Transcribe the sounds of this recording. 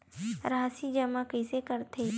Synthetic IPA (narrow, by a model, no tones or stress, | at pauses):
ɾaːsid͡ʒɐmakəsekəɾt̪ʰe